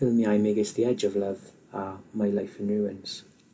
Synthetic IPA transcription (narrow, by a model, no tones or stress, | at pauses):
ɪlˠmiajmeɡɪsðiɛd͡ʒɔvlˠəv | amajlˠajfənuəns